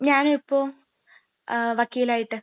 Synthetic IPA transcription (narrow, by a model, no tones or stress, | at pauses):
ɲaːnuipːoː | ʋɐkːiːlaːjiʈːɨ